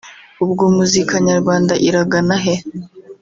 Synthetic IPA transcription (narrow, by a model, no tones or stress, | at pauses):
ubɡuːmuzikaɲaɾɡwaːndaʔiɾaɡanaɦe